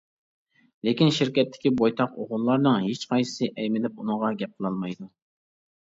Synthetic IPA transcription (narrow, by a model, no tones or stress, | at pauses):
lekʲinʃɪɾkʲɛt̪ʰːɪ̥kʲibojt̪ʰɑqoʁʊlˠːɑɾnɨŋɦet͡ʃqʰɑjsɨ̥sɨʔɛjmɪlɪp̚unəʁɑɡʲɛp̚qʰəlˠɑlˠmɑjd̪u